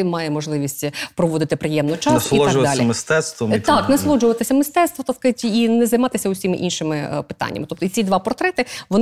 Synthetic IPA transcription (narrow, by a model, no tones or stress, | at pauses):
ɪmɑjɛmɔʒlˠɪʋʲisʲtʲpɾɔʋɔd̪ɪt̪ɪpɾɪjɛmnʊjt͡ʃɑssliɔʒʊʋd̪ɑlʲimɪst̪ɛt̪st̪ʋɔt̪ɑknɐslˠɔd͡ʒʊʋɐt̪ɪsʲɐmɪst̪ɛt̪st̪ʋɔt̪ɐskɐtʲinɛzɐjmɑt̪ɪsʲɐʊsʲimɪ̰ʔinʃɪmɪpɪ̥t̪ɑ̰nʲːɐ̰mɪt̪ɔpt̪ɔit͡sʲid̪ʋɑpɔrt̪ɾɛt̪ɪʋɔn